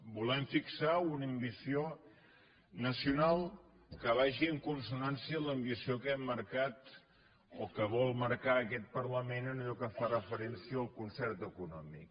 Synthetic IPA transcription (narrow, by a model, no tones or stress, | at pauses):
bulɛmfiksaunəmbisio | nəsiunalˠ | kəβ̞aʒiəŋkunsunansiələmbisiokɛmːəɾkat̪ | okəβɔlˠməɾkaəkɛt̪̚pərləmenənəʎɔkəfarəfəɾɛnsiəəlˠkunsɛrt̪əkunɔmḭk